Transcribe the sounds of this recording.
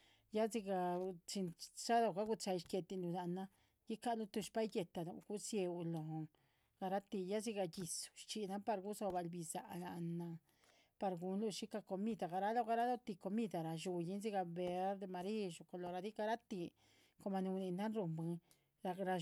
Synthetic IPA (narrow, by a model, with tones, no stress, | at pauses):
ja˦zi˧ɡa˧t͡ʃi˧nt͡ʃa˦lo˧ɡa˦ɡu˧t͡ʃa˧jʃkʲe˧t̪i˧lu˧na˧na˧ | ji˦ka˦lu˧t̪u˧ʃpa˦jɡe˧t̪a˧nṵ˧ɡu˦sje˧u˧lo˨ | ɡ̥a˧ɾa˦t̪i˧ja˦zi˦ɡa˧ɡi˧su̥˧ʃt͡ʃi˧na˦pa˧ɾɡu˦zo˧ba˧lbi˧za̰˧la˧na˧ | pa˧ɾɡu˧nlu˧ʃi˦ka˧ko˧mi˦d̪a˨ɡa˧˨ɾa˦lo˦˧ɡa˧ɾa˦lo˦t̪i˧ko˧mi˦d̪a˨ɾa˧ʃu˧ji˦nzi˦ɡa˧be˧˦ɾd̪e˧ma˧ɾi˦ʃu˧˨ko˧˨lo˧ɾa˧d̪i˦ɡa˧ɾa˦t̪i˧ | ko˧ma˧ni˧ni˧na˦nɾu˧mbɨ˧ | ɾa˧ɾa˧